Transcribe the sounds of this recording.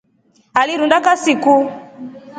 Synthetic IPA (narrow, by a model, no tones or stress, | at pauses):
aliɾundakasiku